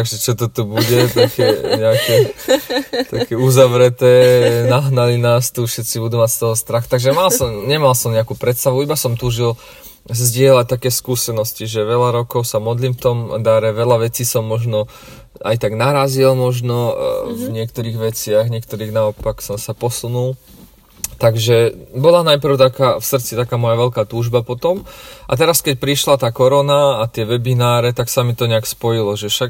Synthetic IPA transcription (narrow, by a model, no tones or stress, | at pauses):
aɡʒɛt͡ʃɔt̪ɔt̪ubuɟɛt̪akɛɲɛakɛ | kt̪akɛuzaʋɾɛt̪ɛːnaɦnalinaːst̪ufʃɛt̪t͡sibud̪uːmacst̪ɔɦɔst̪ɾaxt̪aɡʒɛmalsɔmɲɛmalsɔmɲɛakuːpɾɛt̪st̪aʋuibasɔmt̪uːʒil | zzɟɪɛlac̚t̪akɛːskuːsɛnɔsciʒɛʋɛʎaɾɔkɔʊsamɔd̪liːmft̪ɔmd̪aɾɛʋɛʎaʋɛt͡siːsɔmːɔʒnɔ | a̰jt̪aɡnaɾazilmɔʒnɔvɲɪɛkt̪ɔɾiːɣʋɛt͡sɪaɣɲɪɛk̚t̪ɔɾiːɣnaɔpaksɔmsapɔsunul | t̪aɡʒɛbɔlanajpr̩ʊt̪akaːfsr̩t͡sit̪akaːmɔjaʋɛʎkaːt̪uːʒbapɔt̪ɔmʔat̪ɛɾaskɛc̚pɾiʃlat̪aːkɔɾɔnaːt̪ɪɛʋɛbinaːɾɛt̪aksamit̪ɔɲɛakspɔjilɔʒɛfʃaɡ